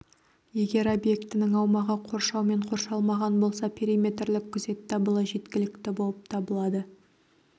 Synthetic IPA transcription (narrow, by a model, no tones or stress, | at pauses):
je̞ɡʲe̞ɾo̞bje̞kt̪ɪnɪŋɑwmɑʁəqʰo̞ɾʃɑwme̞ɴqʰo̞ɾʃɑlˠmɑʁɑnbo̞lˠsɑpʲʰeɾʲimʲe̞t̪rlɪkʲʰːʏze̞t̪ːɑbəlˠəʒe̞t̪kʲɪlɪkt̪ɪbo̞lˠəp̚t̪ʰɑbəlˠɑd̪ə